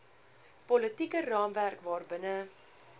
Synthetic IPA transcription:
pɔlətikərɑːmværkvɑːrbənə

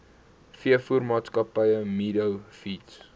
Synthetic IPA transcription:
fiəfurmɑːtskɐpəjəmidəwfits

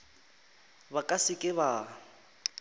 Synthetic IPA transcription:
bakʼasɪkʼɪβa

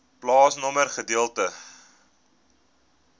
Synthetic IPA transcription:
plɑːsnɔmərχədiəlˠtə

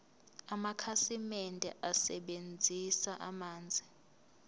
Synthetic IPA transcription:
amakʰasimɛndʱɛʔasɛɓend͡zʱisaʔamaːnd͡zʱi

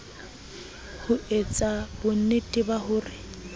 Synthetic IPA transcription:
hʊet͡sʼabʊn̩netʼɪbahʊːrɪ

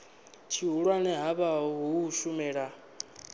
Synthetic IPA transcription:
t͡ʃʰiɦuɺwanɛɦaβaɦɔɦuːʃumɛːɺa

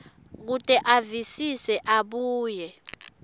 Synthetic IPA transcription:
k̬utʼɛʔavisisɛʔaɓuːjɛ

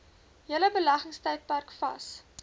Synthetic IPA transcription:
jiələbəlɐχəŋstɛjt̚pærkfɐ̰s

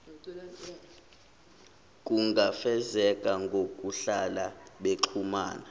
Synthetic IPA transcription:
kʼuŋɡʱafɛzɛkʼaŋɡʱokʼuɬalaɓeǁʰuma̰ːna

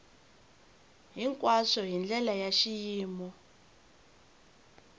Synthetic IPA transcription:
ɦiŋkʼwasɔɦind͡ɮɛlajaʃijiːmɔ

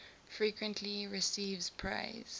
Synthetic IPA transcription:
fɹikʰwə̃ntʰliɹɪsiːvz̥pʰɹa̰ɪz̥

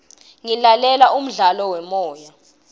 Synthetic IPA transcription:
ŋilalɛlaʔum̩ɮalɔwɛmɔːja

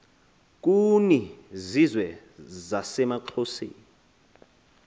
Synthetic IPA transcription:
k̬ʼunizizwɛ | zasɛmaǃʰosḛːni

